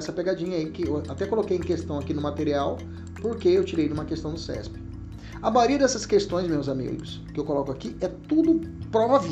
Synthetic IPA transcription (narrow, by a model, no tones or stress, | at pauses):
ɛsɐpeɡad͡ʒĩɲɐikɪewat̪ɛkolokejẽkest̪ɐ̃w̃akinʊmat̪eɾiaw | poɾkeewt͡ʃiɾejd̪ũmɐkest̪ɐ̃w̃d̪ʊsɛ̰spɪ̥ | ɐmaɾiɐd̪ɛsɐskest̪õj̃smewzamḭɡʊs | kɪewkolɔkʊakiɛt̪ud̪ʊpɾovav